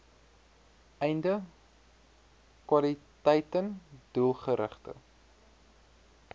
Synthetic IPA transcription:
ɛjndə | kwɐlitɛjtənd̥ulˠχəɾə̰χtə̰

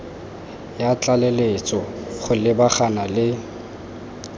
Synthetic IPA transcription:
jat͡ɬʼalelet͡sʼɔ | χʊlɪbaχanalɪ

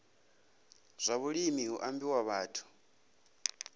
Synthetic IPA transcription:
z̥ʷaβuɺimiɦuʔambiwaβaːtʰu̥

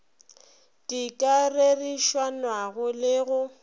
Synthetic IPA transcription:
tʼikʼareriʃwanwaɣʊlɪɣʊ

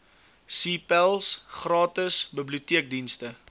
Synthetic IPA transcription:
siːpælˠsχrɑːtəsbəbliutiək̚dinstə

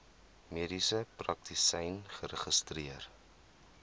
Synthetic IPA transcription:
miədisəprɐk̚tʰisɛjnχəɾəχəstriər

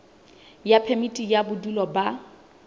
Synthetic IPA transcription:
japʰɛmitʼijabʊdulɔba

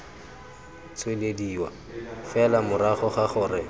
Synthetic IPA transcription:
t͡sʰwelediːwa̰ | fɛlamʊɾaχɔχaχʊːrɪ

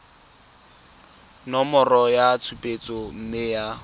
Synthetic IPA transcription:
nɔmɔrɔjat͡sʰupʼet͡sʼɔm̩mɪja

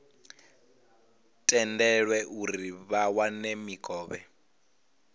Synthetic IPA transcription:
tʼɛndɛɺwɛʔuɾiβawanemikʼɔːβɛ̰

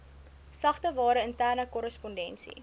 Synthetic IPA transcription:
sɐχtəvɑːɾəəntæːrnəkɔɾəspɔndɛnsḭ

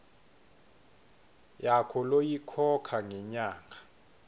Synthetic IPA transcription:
jakʰɔlojikʰɔkʰaŋɛɲaːŋa

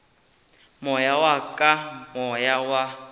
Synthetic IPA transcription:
mɔjawakʼamɔjawa

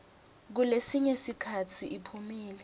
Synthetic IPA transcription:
k̬ulesiɲesikʰat͡sʰiʔipʰumiːlɛ

